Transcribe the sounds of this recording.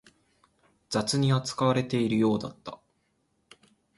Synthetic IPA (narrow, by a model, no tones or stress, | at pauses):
d͡zat͡sɨɲ̟iat͡sɨ̥kaβaɾe̞t̪e̞iɾɯ̟jo̞ːd̪at̪ːa̰